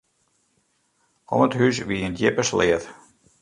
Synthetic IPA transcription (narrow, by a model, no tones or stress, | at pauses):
ɔ̰mətɦysʋiəndjɪpəslɪət